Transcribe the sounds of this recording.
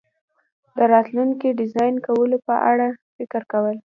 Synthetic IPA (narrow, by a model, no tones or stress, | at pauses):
d̪əɾɑt̪luŋkiɖɪzɑjnkawəlopəʔaɽafɪkɪɾkawəl